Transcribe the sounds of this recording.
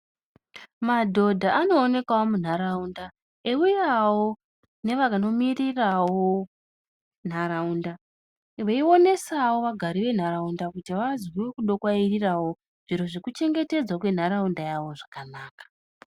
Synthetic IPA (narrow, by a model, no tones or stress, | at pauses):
madʱo̞dʱaano̞ːne̞kwawomun̤aɾaunda | eujawo | ne̞ʋakano̞mirirawo | n̤aɾaunda | ʋaio̞ne̞sawo̞ʋaɡʱaɾiʋe̞n̤aɾaundakutiʋazwwekuɗo̞kwairirawo̞ | ʐ̥iɾo̞ʐekut͡ʃe̞ŋɡe̞te̞d͡zwakwe̞n̤aɾaundajawoʐakanaːkḁ